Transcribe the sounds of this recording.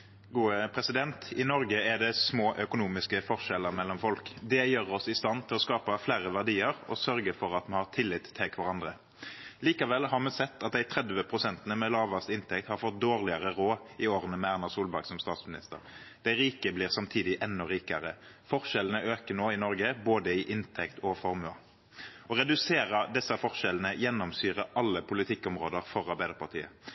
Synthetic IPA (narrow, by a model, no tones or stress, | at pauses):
ɡuːəpʰʁɛsɪd̪ɛnt̪ɪnɔʁɡəɛd̪ɛsmoːʔœkʊnuːmɪskəfɔʁʂɛlːəʁmɛlːɔmfɔlkd̪ɛjøːʁɔsɪst̪ɑnt̪ʰɪlɔskɑːpɑflæːʁəʋæʁd̪iːəʁɔ̰sœɾɡəfɔʁɑt̪mɛnhɑʁt̪ʰɪlːɪt̪ʰːɛkʰʋɑʁɑnd̪ʁə | liːkɑʋɛlhɑʁmɛsɛt̪ʰːɑt̪̚d̪æɪt̪ʰʁɛd̪ʋəpʰʁʊsɛnt̪nəmɛlɑːʋɑst̪ɪnt̪ʰɛk̚t̪hɑʁfɔt̪̚d̪oːʁlɪəʁəʁoːɪoːʁənəmɛæʁnɑʁsuːlbæɾɡsɔmst̪ɑːt̪smɪnɪ̰st̪ə̰ʁ | d̪̥æɪɾiːkəbliːʁsɑmt̪ʰiːd̪ɪʔɛnːʊʁiːkəʁəfɔʁʃɛlənəʔøːkənoːɪnɔɾɡəboːd̪əɪʔɪnt̪ʰɛkt̪ʰɔfɔʁmʉɑ | ɔʁɛd̪ʉseːʁəd̪ɛsːɑfɔʁʃɛlnəjɛnːɔmsyːʁəʔɑlːəpʰʊlɪt̪ʰɪkːɔmʁoːd̪əʁfɔʁɑɾbæɪd̪əʁpʰɑʁt̪ʰḭːə̰